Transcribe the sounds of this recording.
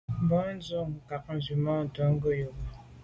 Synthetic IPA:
m̩˨bɔ˦n̩˦zu˦˨ŋ̩˨ka˨k̚n̩˨zi˨ma˦n̩˨tɔ˨˦ŋ̩˦ɡə˦jo˨bɔ˨

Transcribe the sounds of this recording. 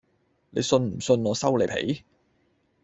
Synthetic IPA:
le˨˧jsɵ˧nm̩˨˩sɵ˧nŋɔː˨˧sɐ˥wle˨˧jpʰḛ˨˥j

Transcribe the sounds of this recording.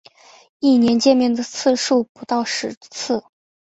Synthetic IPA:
i˥˩njɛ˧˥nt͡ɕjɛ˥˧nmjɛ˥˩nd̪ə˩t͡sʰɹ̩˥˧ʂu˥˩pu˧˥t̪ɑ˥˩ʊʂɻ̩˧˥t͡s̩ʰ˥˩

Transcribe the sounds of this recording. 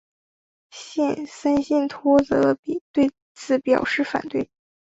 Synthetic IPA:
ɕɛ˥˧nsə˥nɕi˥˩nt̪ʰwɔ˥t͡sɤ˧˥pi˨˩t̪we˥˧ɪ | t͡sʰɹ̩˨˧˩pjɑ˨˩ʊʂɻ̩˥˩fa̰˨˩nt̪we˥˩ɪ

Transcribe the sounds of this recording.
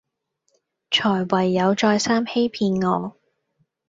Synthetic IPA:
t͡ʃʰɔː˨˩jwɐ˨˩jːɐ˨˧wt͡ʃɔː˧jsaː˥mhe˥jpʰiː˧nŋɔː˨˧

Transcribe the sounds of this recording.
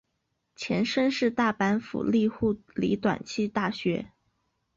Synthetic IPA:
t͡ɕʰjɛ˧˥nʂə˥nʂɻ̩˥˧t̪a˥˩pa˧˥nfṵ˨˩li˥˧xu˥˩lḭ˧˥t̪wa̰˨˩nt͡ɕʰi˥˧t̪a˥˩ɕɥɛ˧˥

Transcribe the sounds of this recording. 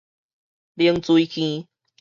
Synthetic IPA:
li˧əŋt͡su˧i˦kʰĩ˧

